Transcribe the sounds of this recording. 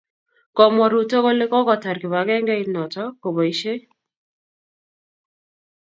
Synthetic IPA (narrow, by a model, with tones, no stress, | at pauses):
kɔ˨mɔ˨ɾu˨to˦ko˦le˦kɔ˦kɔ˨ta˨ɾkɪ˨ba˨ɡɛ˦ŋɡɛ˦i˦nɔ˨tɔ˦ko˨bo˨i˦ʃe˦